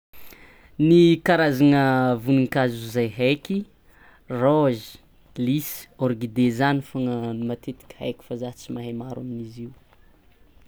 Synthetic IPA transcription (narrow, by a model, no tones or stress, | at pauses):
nikaɾazanəvuniŋkazuzajɦajki | roʒi̥ | lisoɾɡid̪ezanifoŋənimat̪et̪i̥kʲə̥ha̰jkʲi̥fazat͡simaɦemaɾa̰miniziw